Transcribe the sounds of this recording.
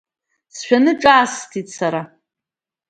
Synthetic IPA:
sʃᶣanɨʈ͡ʂʼaːstʰitsaɾa

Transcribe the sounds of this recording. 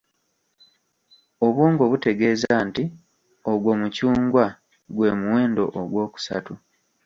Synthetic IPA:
o̞βwoːŋɡo̞βute̞ɡe̞ːzanti | oɡwo̞mucuːŋɡwa | ɡwe̞ːmuwe̞ːndo̞̰ʔoɡwo̞ːku̥sa̰tu

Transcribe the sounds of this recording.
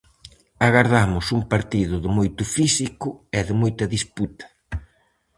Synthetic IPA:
aɣaɾðamʊsuŋpaɾt̪iðʊðɪmojt̪ʊfisikʊeðɪmojt̪ɐðisput̪ɐ̥

